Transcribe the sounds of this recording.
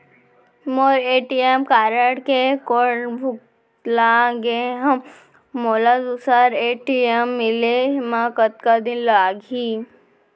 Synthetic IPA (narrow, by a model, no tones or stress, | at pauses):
moɾeːʈiemkaːɾəɽkekoɽbʱuk | laɡeɦəmː | oːladusaɾeʈiemːileɦmakət̪̚kad̪inlaːɡʱi